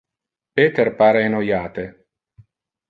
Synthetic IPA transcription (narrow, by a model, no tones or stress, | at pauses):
peːt̪erpaːɾeːnojaːt̪e